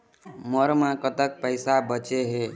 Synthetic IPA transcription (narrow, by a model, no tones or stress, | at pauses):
məɾmãkət̪ək̚pəɪsabət͡ʃeɦe